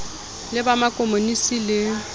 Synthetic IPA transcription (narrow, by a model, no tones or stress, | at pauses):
lɪbamakʼomonisilɪ